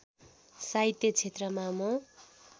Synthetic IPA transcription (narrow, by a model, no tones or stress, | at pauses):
sajt̪jʌt͡sʰet̪rʌmamʌ